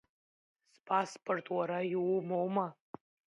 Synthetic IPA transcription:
spʰaspʰʼortʰʼwaɾajiwmowma

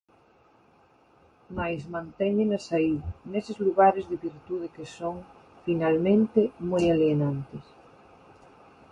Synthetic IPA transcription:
majsmãnt̪ɛŋɪnasainesɪzluɣaɾezðeβiɾt̪uðekesoŋ | finalmẽnt̪emojalienant̪es

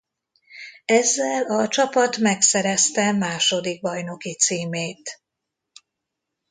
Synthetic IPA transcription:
ɛzːɛlɒt͡ʃɒpɒt̪mɛksɛɾɛst̪ɛmaːʃo̞d̪iɡ̚bɒjno̞kit̪siːmeːt̪

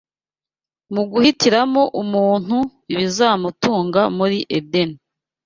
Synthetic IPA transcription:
muɡuhitiɾamo̞ʔumuːn̥huiβizaːmutuːŋɡamuɾiʔedeni

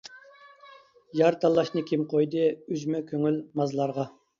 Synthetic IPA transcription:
jɑɾt̪ʰɑlˠːɑʃnɨkʲʰimqʰojd̪ɨyd͡ʒmɛkʲʰøŋylmɑzlˠɑɾʁɑ

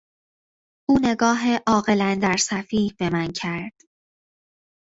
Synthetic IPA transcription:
ʔuːne̞ɡɒːɦeʔɒːɣe̞lænd̪æɾsæfiːhb̥e̞mæncʰæɾd̪̥

